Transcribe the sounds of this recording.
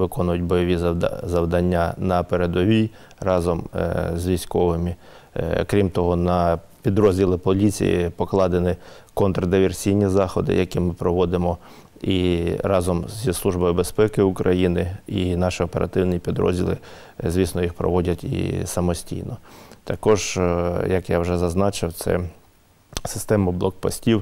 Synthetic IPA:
ʋɪkɔnʊjʊt̚ʲbɔjɔʋʲizɐwd̪ɐnʲːanɐpeɾed̪ɔʋʲij | rɑzɔmzʲʋʲijsʲkɔʋɪmɪ̰ | kɾʲimt̪ɔɦɔnɐpʲid̪ɾɔzʲdʲilˠɪpɔlʲit͡sʲḭjɪ̰pɔklˠɑd̪enɪkɔnt̪ɾɐd̪ɪʋʲersʲijnʲizɑxɔd̪ɪ̰jɐkʲimɪpɾɔʋɔd̪ɪmɔ | iɾɑzɔmzʲislˠuʒbɔjʊbespɛkɪʊkɾɐjinɪinɑʃiɔpeɾʔɐ̰t̪ɪwnipʲid̪ɾɔ̰zʲdʲilˠɪ̰ | zʲʋʲisnɔjixpɾɔ̰ʋɔdʲɐtʲḭsɐmɔsʲtʲḭjnɔt̪ɐkɔʒjɐkjɑwʒɛzɐznɑt͡ʃɪwt̪sɛ̰ | sɪ̥st̪ɛmʊblˠɔk̚pɔsʲtʲiw

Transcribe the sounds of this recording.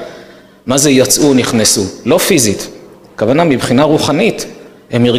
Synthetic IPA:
mazejat͡sʔuniχnesulo̞fizit̪ | kavanamibχinaʁuχanit̪ | hemiʁ

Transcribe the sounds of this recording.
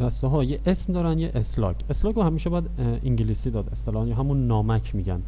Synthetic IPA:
d̪̥æst̪oɦɒːjeʔesmd̪ɒːɾænd̪jeʔeslɒ̰ːcʰe̞slɒːkohæmiːʃebɒjæd̪iŋɟiliːsiːd̪ɒːd̪e̞st̪elɒːhnjɒɦæmunːɒːmæcʰmiːɟæn

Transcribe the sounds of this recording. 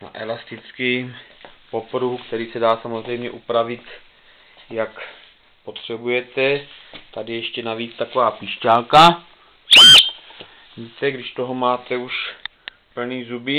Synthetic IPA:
na̰ʔɛlast̪ɪt͡skɪ | po̞pɾuɦukt̪ɛɾiːsɛdaːsamozrɛjmɲɛʔupɾavɪt̪ | jak | po̞t̪r̝̥ɛbujɛt̪ɛt̪adɪjɛʃcɛnaviːt͡st̪ako̞vaːpiːʃcalka | it̪ɛɡdɪʃt̪o̞ɦo̞maːt̪ɛuʃ | pl̩niːzubɪ

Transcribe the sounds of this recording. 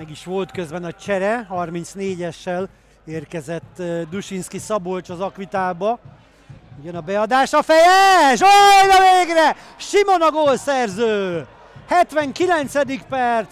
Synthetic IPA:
mɛɡiʃʋo̞lt̪køzbɛnɒt͡ʃɛɾɛhɒrmint̪sneːɟɛʃːɛl | eːrkɛzɛt̪ːd̪uʃinskisɒbolt͡ʃɒzɒkʋit̪aːlbɒ | uɟɛnɒbɛɒd̪aːʃɒfɛjɛʃojnɒveːɡrɛ | ʃimo̞nɒɡolsɛrzøː | hɛt̪ʋɛŋkilɛnt̪sɛd̪ikpɛrt̪s

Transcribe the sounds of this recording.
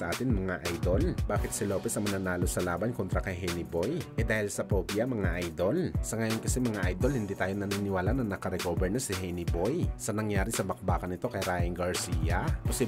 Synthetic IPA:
ɐʔaːt̪ɪnmɐŋaʔajd̪o̞lbaːkɪt̪sɪlo̞ːpɛsɐmɐnanaːlo̞sɐlaːbɐnko̞nt̪ɾɐkɐjɦɛnɪbojʔɛd̪aːhɪlsɐpoːpjɐmɐŋaʔajd̪o̞lsɐŋɐjo̞nkɐsimɐŋaʔajd̪o̞lhɪnd̪iːt̪aːjonɐninɪwaːlanɐŋnɐkɐɾɛkoːbɛɹnɐsɪɦɛjnɪbojsɐnɐŋjaːɾɪsɐbɐk̚baːkɐnɪt̪o̞kɐjɾaːjɪŋɡɐɹsiːjɐposi

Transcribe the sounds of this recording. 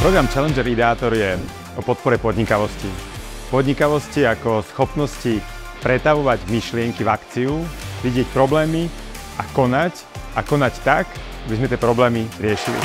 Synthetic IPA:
pɾɔɡɾamt͡ʃalɛnd͡ʒɛɾid̪ɛaːt̪ɔɾjɛ | ɔpɔt̪̚pɔɾɛpɔd̪ɲikaʋɔsci | pɔd̪ɲikaʋɔsciakɔsxɔpnɔsci | pɾɛt̪aʋɔʋaɟmiʃlɪɛŋkivakt͡siuʋiɟɪɛcpɾɔblɛːmi | akɔnac | akɔnact̪ak | abizmɛt̪ɛpɾɔblɛːmiɾɪɛʃilḭ

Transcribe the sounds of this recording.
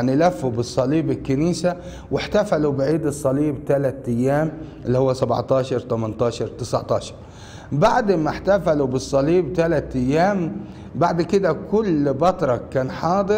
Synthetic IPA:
nilafːubɨsˤːɑliːbɪlkːaniːsa | wɪħt̪afalubɪʕiːd̪ɨsˤːɑliːbt̪alat̪ʔajːaːmʔɪlːihʊwːasabʕt̪ɑːʃɑɾˤt̪amant̪ɑːʃɑɾˤt̪ɪsa̰ʕt̪ˤɑːʃɑ̥ɾˤ | baʕd̪maħt̪afalubɨsˤːɑliːbt̪alat̪ʔajːaːm | baʕd̪kɪd̪akʊlbɑt̪ɾˤɑkaːnħɑːd̪ˤɨ

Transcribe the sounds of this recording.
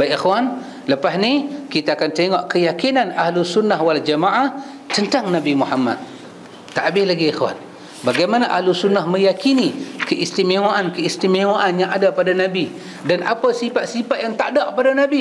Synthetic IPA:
bajʔexwan | ləpasnikit̪aːkant̪eŋɔʔkəjakinanahlusunːaɦwald͡ʒamaʔah | t͡ʃənt̪aŋnabimuhama̰t̪̚ː | aʔabɪhlaɡiexwa̰n | baɡajmanaʔahlusunːahmə̃jakinikəʔist̪imewaʔankəist̪imewaʔanjãŋʔadapadanabi | danʔa̰pasipaʔ̪sipaʔ̪̚jaŋt̪a̰ʔdaʔəpadanabi

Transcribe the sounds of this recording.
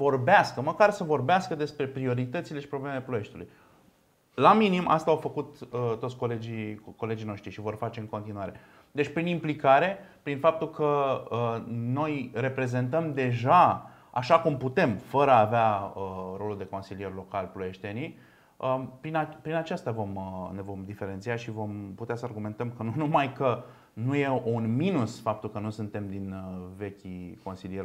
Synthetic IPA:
vo̞rbeaskəməkarsəvo̞rbeaskəd̪e̞spɾe̞pɾio̞ɾit̪ət̪sile̞ʃi̥pɾo̞blemele̞ploje̞ʃt̪elṵj | laminimʔa̰st̪aːwfəkut̪ət̪ːot̪sʲko̞le̞d͡ʒiko̞le̞d͡ʒijno̞ʃt̪ɾiʃivo̞rfat͡ʃe̞ɨŋko̞nt̪inua̰ɾe | d̪e̞t͡ʃʲpɾinimplikaɾe̞pɾinfap̚t̪ulkəəno̞jre̞pɾe̞zent̪əmd̪e̞ʒa | a̰ʃakumput̪e̞mfəɾəaːveaəro̞luld̪e̞ko̞nsilije̞rʲlo̞kalploe̞ʃt̪e̞ni | əpɾinapɾinat͡ʃast̪əvo̞məne̞vo̞md̪ife̞ɾent̪siaʃivo̞mput̪easəarɡume̞nt̪əmkənunumajkə | nuje̞unminusfap̚t̪ulkənusunt̪e̞md̪inve̞kʲiko̞nsilije

